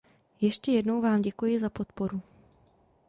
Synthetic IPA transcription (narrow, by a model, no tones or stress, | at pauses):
jɛʃcɛjɛdno̞wvaːmɟɛkujɪzapo̞t̪po̞ɾu